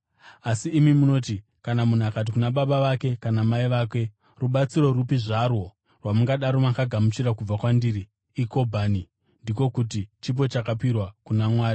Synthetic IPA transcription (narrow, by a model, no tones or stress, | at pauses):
asiːmimuno̞ti | kanamun̤uakat̬ikunaɓaɓaʋake̞kanamaiʋaːkwe̞ | ruɓat͡siɾo̞ɾupiʐarwo̞ | rwamuŋɡaɗaɾo̞makaɡʱamut͡ʃiɾakub͡vakwandiːɾiː | ko̞bʱani | ndiko̞kut̬it͡ʃip̬o̞t͡ʃakapirwakunamwaːri